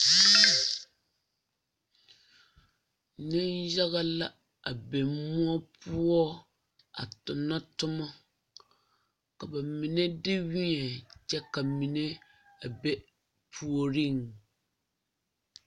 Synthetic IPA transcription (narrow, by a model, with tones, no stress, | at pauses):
nɪ˦nja˦ɣa˦la˦ | a˨be˨mʊ˦ɔ˦pʊ˦ɔ˦ | a̰˨tʊ˨na˦tʊ˦mɔ˦ | ka˨ba˨mɪ˨nɛ˦dɪ˦wi˦ɲɛ˨t͡ʃɛ˦ka˨mi˨ne˦ | a˨bɛ˦ | pʰu˦o˦ɾi˦˨ŋ